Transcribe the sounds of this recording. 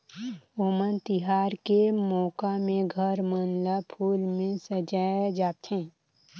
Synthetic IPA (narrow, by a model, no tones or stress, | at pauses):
oːmənt̪ɪɦaːɾkemɔːkamẽɡʱəɾmənlapʰuːlmẽsəd͡ʒaːd͡ʒaːt̪hɛ̃ː